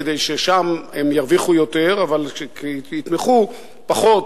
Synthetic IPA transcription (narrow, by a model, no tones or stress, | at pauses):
ed̪ejʃeʃamemjaʁviχujo̞t̪e̞ʁavalʃkit̪meχu | paχo̞t